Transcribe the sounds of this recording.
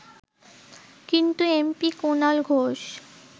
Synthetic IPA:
kint̪uempikunalɡʱoʃ

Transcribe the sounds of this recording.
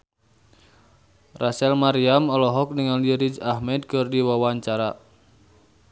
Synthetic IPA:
rasɛlmaɾiamɔlɔɦɔk̚niŋaliɾid͡ʒahmɛd̪̚kɔrdiwawaɲt͡ʃaɾa

